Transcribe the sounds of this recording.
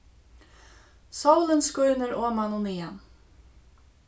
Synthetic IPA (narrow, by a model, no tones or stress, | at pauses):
sawlənskœɥnɪɾɔːmanuniːan